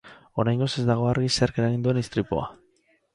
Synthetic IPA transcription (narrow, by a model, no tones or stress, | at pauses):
o̞ɾajŋɡo̞sezd̪aɣ̞o̞aɾɣiseaɾkeɾaɣind̪ue̞nist̪ɾipo̰a̰